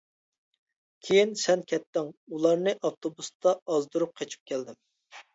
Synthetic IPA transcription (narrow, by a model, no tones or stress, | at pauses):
kʲʰejinsɛnkʲʰɛt̪ːɪŋulˠɑɾnɨʔɑft̪ʰobust̪ʰɑːzd̪uɾup̚qʰet͡ʃʰi̥p̚kʲʰɛld̪ɪm